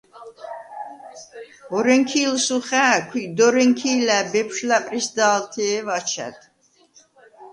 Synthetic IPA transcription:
ɔɾɛŋkʰiːlsuχæːkʷʰwid̪ɔɾɛŋkʰiːlæbɛpʰʃlapʼɾisd̪aːlt̪ʰɛɛvat͡ʃʰɛ̰d̪

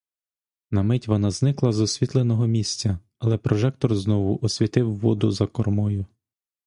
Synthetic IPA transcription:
nɐmɪtʲʋɔnɑznɪklˠɐzɔsʲʋʲit̪lˠenɔɦɔmʲisʲt͡sʲɐ | ɐlˠɛpɾɔʒɛk̚t̪ɔrznɔʋʊʔɔsʲʋʲit̪ɪwːɔd̪ʊzɐkɔrmɔjʊ

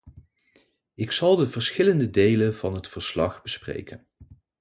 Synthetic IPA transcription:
ɪksɑlˠdəvəɹsχɪləndədejlənv̥ɑnɦətfəɹslɑχbəsprḛjkən

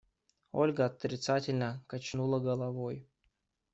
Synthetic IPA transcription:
o̰lʲɡəːt̪ɾʲɪt̪satʲɪlʲnəkat͡ɕnulˠəɡəlˠavoj

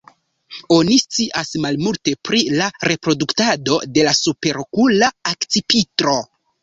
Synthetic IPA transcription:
o̞nist͡siʔasmalmulte̞pɾilaɾe̞pɾo̞duktado̞de̞lasupe̞ɾokulaakt͡sipitɾo̞

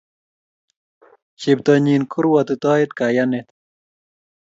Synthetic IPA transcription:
ɕib̚t̪oɲinkʰuɾwɐt̪ut̪aːet̪kajanet̪

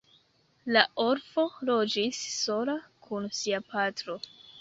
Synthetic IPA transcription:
laʔoɾfo̞lo̞d͡ʒisːo̞lakʰunsiapʰatɾo̞

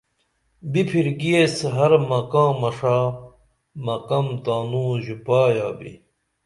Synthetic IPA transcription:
bipʰiɾɡiesɦɐɾmɐkãːmɐʂaː | mɐkɐmt̪aːnũːʑupaːjaːbḭ

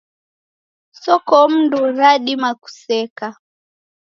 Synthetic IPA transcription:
sɔkɔm̩nduɾaɗimaku̥sɛka

